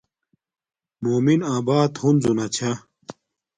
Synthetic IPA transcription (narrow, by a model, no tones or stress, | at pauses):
moːminaːbaːt̪hunzunɐt͡ɕʰa